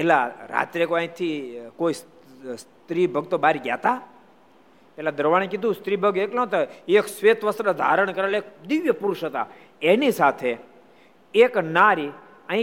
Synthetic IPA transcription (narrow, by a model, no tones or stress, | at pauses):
pɛɦlaɾa̰ːt̪ɾekoãĩt̪ʰikois | s | t̪ɾibʱəɡ̚t̪obaɾiɡja̰t̪a | pelad̪əɾʋaɽ̃ekid̪ʱũst̪ɾibʱəɡeknãt̪oeksʋet̪ʋəsɾəd̪ʱa̰ɾəɳ̃kəɾelek̚d̪ɪʋjəpuɾʊʃɦət̪a̰ | enisat̪ʰe | eknaɾi | ə̃ĩ